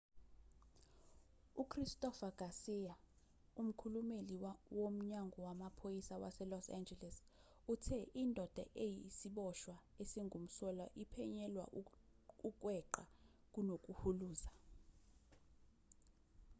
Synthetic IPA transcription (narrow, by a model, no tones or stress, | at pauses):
ukʰristʼɔfaɡ̥ʱasija | um̩kʰulumeliwom̩ɲaŋɡʱɔwamapʰojisawa̰sɛlɔsa̰nd͡ʒɛlɛs | utʰɛʔindʱɔd̥ʱaʔejisiɓɔʃwaesiŋum̩sɔla̰ʔipʰɛɲɛlwa̰ | uk̬ʼwɛǃa | k̬ʼunok̬ʼuhuluːza